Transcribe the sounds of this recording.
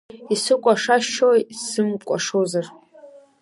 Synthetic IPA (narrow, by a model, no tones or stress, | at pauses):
isɨkʷʼaʂaʃojsɨmkʷʼa̰ʂozar